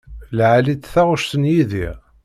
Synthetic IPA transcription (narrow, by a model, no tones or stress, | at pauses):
lʕalit̪θæʁʊʃsənjiðḭʁ